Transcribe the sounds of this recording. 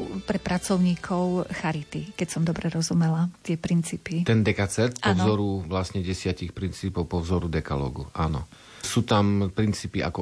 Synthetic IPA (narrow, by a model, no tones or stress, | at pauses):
pɾɛpɾat͡sɔʊɲiːkʰɔʊxaɾit̪ikɛcsɔmd̪ɔbɾɛɾɔzumɛlat̪ɪɛpɾint͡siːpit̪ɛnd̪ɛkat͡sɛɾt̪pɔvzɔɾuʋlasɲɛɟɛsɪacixpɾint͡siːpɔʊpɔvzɔɾud̪ɛkalɔ̰ːɡuʔanɔ̰ | suːt̪ampɾint͡siːpiʔa̰kɔ